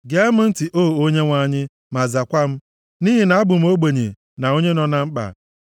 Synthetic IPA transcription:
ɡe˨a˦mʊ˦n̩˦ti˨ʔoː˦˨o˦ɲe˦ŋʷa˦ɲɪ˦ | ma˨za˨kʷa˦m̩˦ | ni˦ɦi˨na˨a˦bʊ˨m̩˦o˦ɡ͡be˨ɲḛ˨ | na˨o˦ɲe˦nɔ˨na˨ŋ͡m̩˦k͡pa̰˨

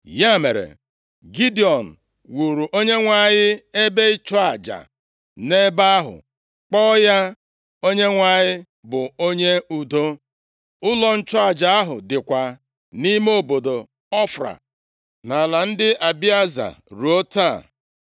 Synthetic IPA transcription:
ja˦˨mḛ˨ɾḛ˨ | ɡi˦di˨ɔ˨n̩˨ | wu˨ɾu˨ʔo˦ɲe˦ŋʷa˨ɲɪ˦e˦be˦i˦t͡ʃɔ˦a˨d͡ʒa̰˨ | ne˦ba˦a˦ɦʊ̰˨ | k͡pɔ˦ja˦ | o˦ɲe˦ŋʷa˨ɲɪ˦ | bʊ˨o˦ɲe˦u˨do˦ | ʊ˦lɔ˦n̩˦t͡ʃɔ˦a˨d͡ʒa˨a˦ɦʊ̰˨dɪ˨kʷa˨ | ni˦mo˦bo˨do˨ | ɔ˦fɾa̰˨ | na˨la˨n̩˦dɪ˦a˨bi˦a˦za̰˨ɾu˨o˦ta˦˨

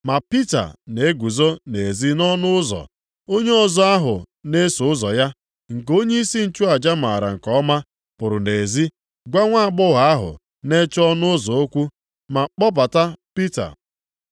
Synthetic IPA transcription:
ma˨pi˦ta̰˨ne˨e˦ɡʷu˨zo˦ne˨e˨zi˦nɔ˦nʊ˦ʊ˦zɔ̰˨ | o˦ɲe˦ɔ˨zɔ˦a˦ɦʊ̰˨ne˦sʊ˨ʊ˦zɔ˨ja˦ | ŋ̩˨k̬o˦ɲe˦i˦si˦n̩˦t͡ʃu˦a˨d͡ʒa˦ma̰˨ɾa̰˨ŋ̩˨kɔ˦ma˦ | pʊ˨ɾʊ˨ne˨zi˦ | ɡʷa˦ŋʷa˦a˨ɡ͡bʊ˦ɦa˨a˦ɦʊ̰˨ | ne˦t͡ʃɔ˦nʊ˦ʊ˦zɔ˨o˦kʷu˦ | ma˨k͡pɔ˦ba˨ta˦pi˦ta̰˨

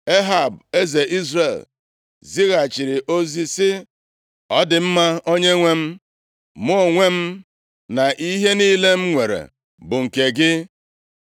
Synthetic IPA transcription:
e˦ɦa˦˨be˦ze˨ʔi˦zre˦˨l | zi˦ɣa˨t͡ʃɪ˨ɾɪ˨ʔo˦zi˦sɪ˦ | ɔ˦dɪ˨m̩˦ma˦o˦ɲe˦ŋʷe˦m̩˦ | mʊ˦o˨ŋʷe˦m̩˦ | na˨ʔi˦ɦe˦niː˦le˦m̩˦ŋʷe˨ɾḛ˨ | bʊ˨ŋ̩˨ke˨ɡɪ˦

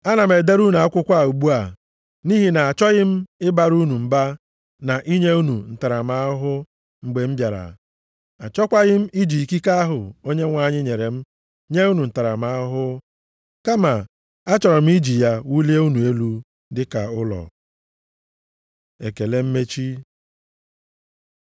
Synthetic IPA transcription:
a˦na˨m̩˨e˨de˦ɾu˦nu˨a˦kʷʊ˦kʷa˦˨u˨ɡ͡bu˦a˨ | ni˦ɦi˨na˨a˨t͡ʃɔ˦ɣɪ˦m̩˦ɪ˦ba˨ɾu˦nu˨m̩˦ba˦ | na˨ʔi˦ɲe˦u˦nu˨n̩˨ta˨ɾa˨m̩˦a˦ɦʊ˦ | ŋ͡m̩˨ɡ͡be˨m̩˦bja˨ɾa̰˨ | a˨t͡ʃɔ˦kʷa˦ɣɪ˦m̩˦i˦d͡ʒi˨ki˦ka˦ɦʊ˨o˦ɲe˦ŋʷa˨ɲɪ˦ɲe˨ɾe˨m̩˦ | ɲe˦u˦nu˨n̩˨ta˨ɾa˨m̩˦a˦ɦʊ˦ | ka˦ma˨ | a˦t͡ʃɔ˨ɾɔ˨m̩˦i˦d͡ʒi˨ja˦wu˦le˦u˦nu˨e˦lu˦ | dɪ˦ka˨ʊ˦lɔ̰˨ | e˨ke˨le˦m̩˦me˦t͡ʃi˦

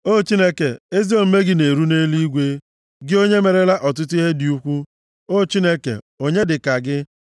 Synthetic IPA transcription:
o˦t͡ʃi˦ne˦ke˨e˦zi˦o˦˨m̩˦me˦ɡɪ˦ne˨ɾu˦ne˦li˦ɡʷe˦ | ɡɪ˦o˦ɲe˦me˨ɾe˦la˦ʔɔ˨t̬ʊ˦t̬ʊ˦i˦ɦe˦dɪ˨u˦kʷu˦ | o˦˨t͡ʃi˦ne˦kḛ˨ | o˦ɲe˦dɪ˨ka˨ɡɪ˦

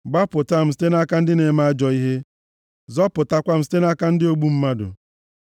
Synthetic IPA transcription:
ɡ͡ba˦pʊ˨ta˦m̩˨s̬i̥˦te˦na˦ka˦n̩˦dɪ˦ne˨ma˦a˦d͡ʒɔ˨i˦ɦe˦ | zɔ˦pʊ˨ta˦kʷa˦m̩˨si̥˦te˦na˦ka˦n̩˦dɪ˦o˦ɡ͡bu˦m̩˦ma˦dʊ̰˨

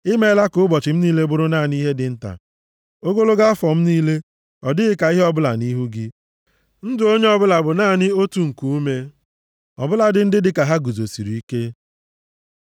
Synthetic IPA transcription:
ɪ˦me˦la˦kʊ˦ʊ˦bɔ˨t͡ʃɪ˨m̩˦niː˦le˦bʊ˦ɾʊ˦naː˦˨ni˦ɦe˦dɪ˨n̩˦ta̰˨ | o˦ɡo˦lo˦ɡa˦a˦fɔ˨m̩˦niː˦le˦ | ɔ˨dɪ˦ɣɪ˦ka˨i˦ɦe˦ɔ˦bʊ˦la˨ni˦ɦu˦ɡɪ˦ | n̩˦dʊ˨o˦ɲe˦ɔ˦bʊ˦la˨bʊ˨naː˦˨nɪ˦o˦tu˨ŋ̩˨ku˨u˦me˦ | ɔ̰˨bʊ˦la˨dɪ˨n̩˦dɪ˦dɪ˨ka˨ɦa˦ɡu˨zo˨si˨ɾi˨i˦ke˦

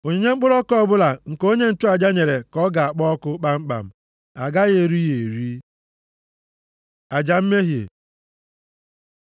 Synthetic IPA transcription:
o˨ɲe˨ɲe˦ŋ͡m̩˦k͡pʊ˦ɾɔ˦kɔ˦˨bʊ˦la˨ŋ̩˨ko˦ɲe˦n̩˦tʊ˦a˨d͡ʒa˦ɲe˨ɾe˨kɔ˦ɡa˨a˨k͡pɔ˦ɔ˦kʊ˦k͡pa˦ŋ͡m̩˦k͡pa̰˨m̩˨ | a˨ɡa˦ɣe˨ɾi˦je˨e˨ɾi˦ | a˨d͡ʒa˨m̩˦me˦ɦjḛ˨

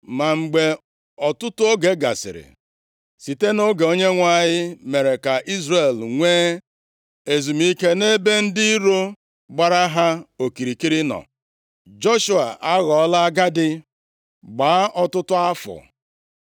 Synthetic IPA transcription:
ma˨ŋ͡m̩˨ɡ͡be˨ | ɔ˨tʊ˦tʊ˦o˦ɡe˨ɡa̰˨sɪ̰˨ɾɪ̰˨ | si˨te˦no˦ɡe˨o˦ɲe˦ŋʷa˦˨ɲɪ˦me˨ɾe˨ka˨ʔi˦zre˨lŋʷeː˦ | e˨zu˨m˦i˦ke˦ne˦be˦n̩˦di˦ɾo˦ | ɡ͡ba˦ɾa˦ɦa˦o˨ki˨ɾi˨ki˦ɾɪ˦nɔ̰˨ | d͡ʒo˦ʃu˦a˨ʔa˦ɣɔ˨ɔ˦la˦ɡa˦dɪ˦ | ɡ͡ba˨˦ʔɔ˦tʊ˦tʊ˦a˦fʊ̰˨

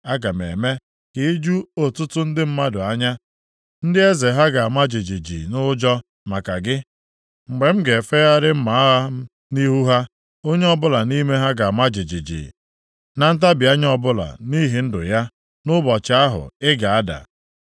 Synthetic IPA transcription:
a˦ɡa˨mḛ˨me˦ | ki˨˦d͡ʒu˦o˨tʊ˦tʊ˦n̩˦dɪ˦m̩˦ma˦dʊ˨a˦ɲa˦ | n̩˦dɪ˦e˦ze˨ɦa˦ɡa˨a˨ma˦d͡ʒi˨d͡ʒi˨d͡ʒḭ˨nʊ˦d͡ʒɔ˦ | ma˨ka˨ɡɪ˦ | ŋ͡m̩˨ɡ͡be˨m̩˦ɡe˨fe˦ɣa˦ɾɪ˦m̩˦ma˨˦a˦ | ni˦ɦu˦ɦa˦ | o˦ɲe˦ɔ˦bʊ˦la˨ni˦me˦ɦa˦ɡa˨a˨ma˦d͡ʒɪ˨d͡ʒi˨d͡ʒḭː˨ | na˨n̩˦t̬a˦bɪ˨a˦ɲ˦ɔ˦bʊ˦la̰˨ni˦ɦi˨n̩˦dʊ̰˨ja˦ | nʊ˦bɔ˨t͡ʃa˦a˦ɦʊ̰˨ɪ˦ɡa˨a˦da̰˨

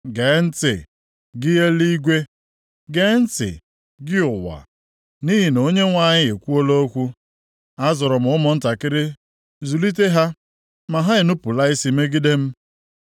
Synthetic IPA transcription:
ɡe˨˦n̩˦tɪ̰˨ | ɡɪ˦je˦li˦ɡʷe˦ | ɡe˦n̩˦tɪ̰˨ | ɡɪ˦ʊ˨wa̰˨ | ni˦ɦi˨no˦ɲe˦ŋʷa˦˨ɲɪ˦e˨kʷu˦o˦lo˦o˦kʷu˦ | a˦zɔ˨ɾɔ˨m̩ʊ˦mɔ˨n̩˦ta˨kɪ˦ɾɪ˦ | zu˨li˦t̬e˦ɦa˦ | ma˨ɦa˦ɪ˨nu˦pʊ˨la˦i˦si˨me˦ɡɪ˦de˦m̩˦

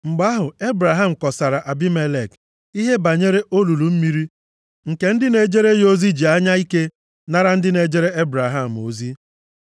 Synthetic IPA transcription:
ŋ͡m̩˨ɡ͡ba˦ɦʊ˨e˦bɾa˨ɦa˦m̩˨kɔ˨sa˨ɾa˨ʔa˨bi˦me˦le˨k | i˦ɦe˦ba˨ɲe˦ɾe˦ʔo˦lu˨lu˨m̩˦mi˦ɾi˦ | ŋ̩˨ke˦n̩˦dɪ˦ne˨d͡ʒe˦ɾe˦jo˦zi˦d͡ʒi˨a˦ɲa˦i˦ke˦ | na˦ɾa˦n̩˦dɪ˦ne˨d͡ʒe˦ɾe˦e˦bɾa˨ɦa˦˨m̩˨o˨zi˦

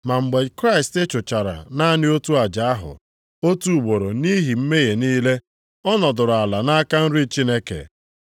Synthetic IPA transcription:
ma˨ŋ͡m̩˨ɡ͡be˨kɾa˦ɪ˨ste˦t͡ʃʊ˨t͡ʃa˨ɾa̰˨na˦nɪ˦o˦tu˦a˨d͡ʒa˨a˦ɦʊ̰˨ | o˦tu˦u˨ɡ͡bo˨ɾo˨ni˦ɦi˨m̩˦me˦ɣe˨niː˦le˦ | ɔ˦nɔ˨dʊ˨ɾʊ˨a˨la˨na˦ka˦n̩˦ɾi˦t͡ʃi˦ne˦kḛ˨

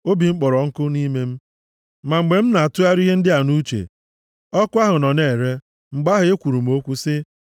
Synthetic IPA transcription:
o˦bi˨ŋ͡m̩˦k͡pɔ˨ɾɔ˨ŋ̩˦kʊ˦ni˦me˦m̩˦ | ma˨ŋ͡m̩˨ɡ͡be˨m̩˦na˨a˨tʊ˦a˦ɾi˦ɦe˦n̩˦dɪ˦a˨nu˦t͡ʃḛ˨ | ɔ˦kʊ˦a˦ɦʊ˨nɔ˨ne˨ɾe˦ | ŋ͡m̩˨ɡ͡ba˦ɦʊ˨e˦kʷu˨ɾu˨m̩˦o˦kʷu˦sɪ˦

